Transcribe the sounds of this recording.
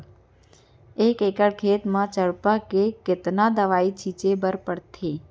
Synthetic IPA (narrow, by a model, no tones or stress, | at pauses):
eːkeːkəɽkʰeːt̪mãːt͡ʃəɭpakekɪt̪nãd̪əʋaːit͡ʃʰit͡ʃebəɾpəɽt̪ʰeː